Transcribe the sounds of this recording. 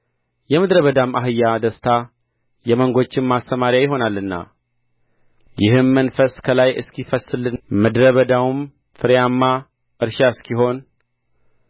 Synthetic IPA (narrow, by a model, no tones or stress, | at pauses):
jɛmɨd̪ɾəβəd̪amaɦɨjːad̪əst̪ʰa | jɛməŋɡo̞t͡ʃːɪnmast̪əmaɾjajɪɦo̞nalːɨnːa̰ | jɪhɨnmənfəskʰəlajɨ̰skʰifəsɨlɨmɨd̪ɾəβəd̪awum | fɨɾjamːa | ʔɨɾʃaɨskʰiɦo̞n